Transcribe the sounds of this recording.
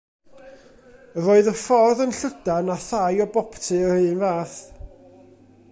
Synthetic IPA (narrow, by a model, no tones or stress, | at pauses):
roːɨðəfɔrðənɬədanaθajɔbɔptʰɨərɨnvaːθ